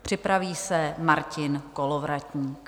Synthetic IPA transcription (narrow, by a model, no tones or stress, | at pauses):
pr̝̥ɪpɾaviːsɛmaɾcɪnkolovɾacɲiːk